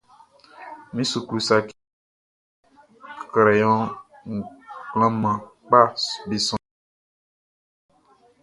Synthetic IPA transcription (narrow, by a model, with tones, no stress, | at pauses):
mĩ˦su˨klu˨sa˨k | kɾɛ˨jɔ̃˦ | ŋ̩˨k͡plã˦mã˨k͡pa˦be˨sɔ̃˦